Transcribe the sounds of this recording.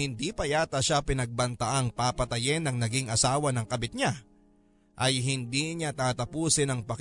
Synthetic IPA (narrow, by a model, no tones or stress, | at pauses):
ɪnd̪ipɐjaːt̪ɐʃapɪnɐɡ̚bɐnt̪ɐʔaŋpapɐt̪ɐjɪnːɐŋnɐɡiŋɐsaːwɐnɐŋkɐbɪt̪̚ɲa | ʔɐjɦɪnd̪iɲat̪aːt̪ɐpuːsɪnɐŋpɐk